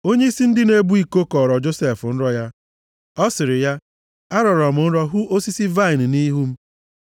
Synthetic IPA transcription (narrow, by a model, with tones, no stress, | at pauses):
o˦ɲe˦i˦si˦n̩˦dɪ˦ne˦bu˦i˦˨ko˦kɔ˨ɾɔ˨d͡ʒo˦se˨fʊ˨n̩˦ɾɔ˦ja˦ | ɔ˦sɪ˨ɾɪ˨ja˦ | a˦ɾɔ˨ɾɔ˨m̩˨˦n̩˦ɾɔ˦ɦu˦o˦si˦si˦va˦ɪ˨n̩˨ni˦ɦu˦m̩˦